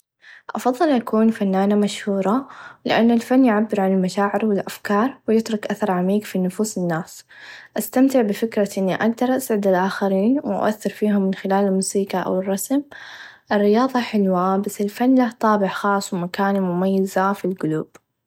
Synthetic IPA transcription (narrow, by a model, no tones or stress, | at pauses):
ʔɑ̰fɑðˤːɨlʔakuːnfanːaːnamaʃhuːɾˤɑlɪ̰ʔanːalfanːjʕabːɪɾʕanɪlmaʃaːʕɪɾwɪlʔafkɑːɾˤwɪjɪt̪ɾʊkʔaθɑɾˤʕamiːkfinʊfuːsɪnːaːs | ʔast̪amt̪ɪʕbɪfɪkɾaʔɪnːiʔaɡd̪ɑɾˤʔasʕɪd̪alʔaːxaɾiːnwɪʔa̰ʔa̰θːɪɾfiːɦʊmːɪnxɪlaːlɪlmuːsiːkaʔa̰wɪrˤːɑsm | ʔɪrːɪjɑːðˤɑħɪlwabasːɪlfanːlaht̪ˤɑːbɪʕxɑːsˤwɪmakaːnmʊmajːɪzafilɡʊluːb̥